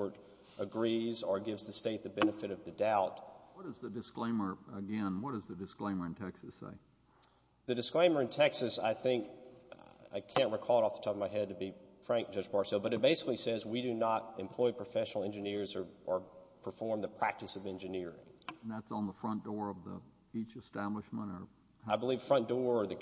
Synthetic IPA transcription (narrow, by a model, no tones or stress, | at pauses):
ə˞ɾ | ʔəɡɹizə˞ɡɪvzðɨsteɪt̪̚ðɨbɛnɨfɨɾʌvðɨdaʊtwʌɾɨzðɨdɨsklẽɪ̃mə˞ɨɡɛ̃nwʌt̚d̥ʌzðɨdɨsklẽɪ̃mə˞ɨ̃ntʰɛksɨsḛɪ | ðɨdɨsklẽɪ̃mə˞ɨ̃ntʰɛksɨsa̰ɪθɪ̃ŋk | a̰ɪkʰæ̃nʔ̚ɹɨkʰɔlˠɔfðə̥tʰɑpʌvmaɪɦɛd̚tɨbifɹæ̃ŋk̚d̥ʒ̥ʌd͡ʒpʰɑɹsɛlˠbʌɾɨt̚b̥eɪsɨ̥klisɛzwiɾɨnəɾɨ̃mpʰl̥ɔɪpʰɹ̥ɨfɛʃn̩l̩ˠɛ̃nd͡ʒɨnɪɹzə˞ʔə˞pʰə˞fɔɹmðəpʰɹ̥æk̚tɨsʌvɛ̃nd͡ʒɨnɪɹɪ̰̃ŋn̩ðætsn̩ðəfɹʌ̃nd̥ɔɹʌvðḭ | it͡ʃɨstæbləʃmə̃ñə˞ | aɪbəliv̥fɹʌ̃nd̥ɔɹə˞ðɨ